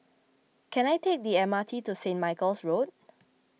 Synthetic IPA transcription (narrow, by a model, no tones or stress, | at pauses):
kʰɛ̃najtek̚diɛmatʰitusẽnmaɪkəlsɹot̚